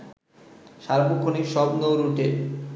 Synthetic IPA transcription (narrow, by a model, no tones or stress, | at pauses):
ʃaɾbokʰːonikʃɔbnowɾuʈe